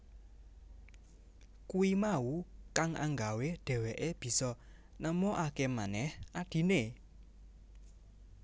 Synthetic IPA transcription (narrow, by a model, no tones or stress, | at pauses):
kuimaukaŋʔa̰ŋɡaweɖ̥ɛ̤weʔeb̥i̤sɔ | nəmɔʔakemanɛhʔaɖ̥i̤ne